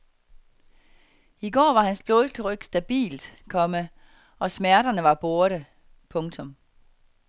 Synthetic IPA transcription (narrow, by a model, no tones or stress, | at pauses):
iɡ̥ɒ̰ːʋɑ̈hænsb̥loːðˠsd̥ʰəʁœɡ̥sd̥æb̥ḭːld̥kʰɒ̽mə | ɒ̽smæɐɾɐnəʋɑ̈b̥o̝ɐɾ̥ə | pʰɔ̽ŋt͡sʰɔ̽m